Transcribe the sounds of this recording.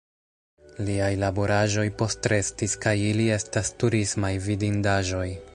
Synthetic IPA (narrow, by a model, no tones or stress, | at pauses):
liajlabo̞ɾaʒo̞jpo̞stɾe̞stiskajilie̞stastuɾismajvidindaʒo̞j